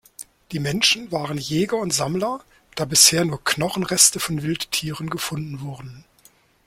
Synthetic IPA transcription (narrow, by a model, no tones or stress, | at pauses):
d̥iːmɛnʃn̩vaːʁənjɛːɡɐʊntz̥amlɐ | d̥aːbɪsheːɐnuːɐknɔχn̩ʁɛstəfɔnvɪlttʰːiːʁənɡəfʊndn̩vʊɐdn̩